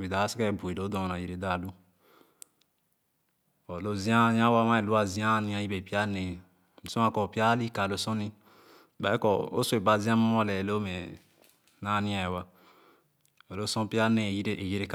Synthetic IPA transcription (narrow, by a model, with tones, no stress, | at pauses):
bi˨da˨˦si˦kɛ˦˨bu˨i˨do˨˦do˨na˨ji˨ɾe˨da˦˨lu˦ | o˨lo˦zi˦a˦jã˦wa˦ma˦e˨lu˦a˦˨zi˦a˦˨nĩ˦a˨ji˦be˨pi˦a˦ne˨ | mi˨so˦a˦kɔ˨pi˦a˦li˦ka˨lo˦sõ˦ni˦˨ | ba˨˦kɔ˨o̰˦so˦e˨ba˨zi˦a˦ma˦o˦lɛ˨lo˦me˨ | na˦˨nĩ˦a˨wa˦ | o˨lo˦sõ˦pi˦a˦ne˨jɾe˨ji˦ɾe˦k